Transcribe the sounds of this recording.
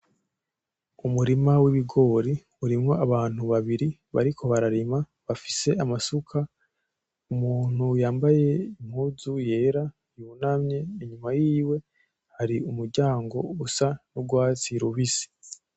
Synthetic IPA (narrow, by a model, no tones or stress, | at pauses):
umuɾimawiβiɡo̞ːɾi | uɾimŋo̞aβaːn̥huβaβiɾiβa̰ɾikʰo̞βaɾaɾima | βafi̥se̞ʔamasukʰa | umuːn̥hujaːmbaje̞im̥huːzuje̞ːɾa | junamɲe̞iɲumajiːwe̞ | haɾiumuɾɟaːŋɡo̞usanuɡwaːt͡siɾuβisi̥